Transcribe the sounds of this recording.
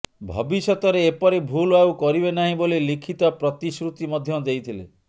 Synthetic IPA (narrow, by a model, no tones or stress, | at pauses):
bʱɔ̰bisɔt̪ɔɾeːpɔɾebʱulauwkɔɾibenaɦĩbolilikʰit̪ɔpɾɔt̪isɾut̪imɔd̪ʱjɔd͡ʒejt̪ʰilḛ